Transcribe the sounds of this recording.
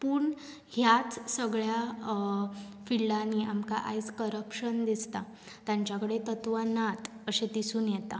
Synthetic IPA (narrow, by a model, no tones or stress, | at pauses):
puɳ | hjat͡ssəɡɭja | filɖaniamka̰ʔa̰jskəɾəpɕənd̪ist̪a | t̪jãɲt͡ɕjakəɽet̪ət̪ʋanat̪ | əɕet̪isuːnjɛt̪a